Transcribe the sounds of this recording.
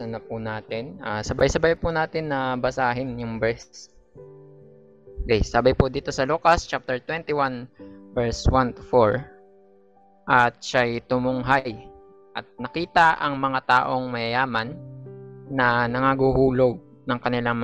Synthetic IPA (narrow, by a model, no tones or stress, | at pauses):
ɐnɐpʊnaːt̪ɪnʔasɐbajsɐbajpʊnaːt̪ɪnːɐbɐsaːɦɪnjʊŋbɛst̪s | kesaːbɐjpʊd̪iːt̪o̞sɐluːkɐst͡ʃap̚t̪ɛɹt̪wɛnt̪ɪwanvɛɹswant̪ʊ̥foɹ | ʔɐt̪̚ʃajt̪ʊmʊŋɦaj | ʔɐt̪̚nɐkiːt̪ɐʔɐŋmɐŋat̪aːʔoŋmɐjɐjaːmɐnː | ɐnɐŋaɡuhuːlo̞ɡ̚ | nɐŋkɐnɪlaŋm